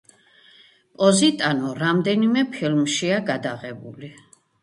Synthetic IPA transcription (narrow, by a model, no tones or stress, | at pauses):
pʼɔzit̪ʼanɔɾamd̪ɛnimɛpʰilmʃiaɡad̪aʁɛbṵli